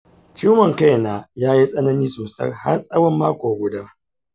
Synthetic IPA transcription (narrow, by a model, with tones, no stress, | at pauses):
t͡ʃuː˦mɐ˨ŋka˦jnaː˨jaː˦ji˦sʼɐ˦nɐ˦niː˦soː˨sɐ̰˦rha̰˦rsʼɐ˦wɐ˦mːaː˦kʷoː˨ɡʷʊ˨da˦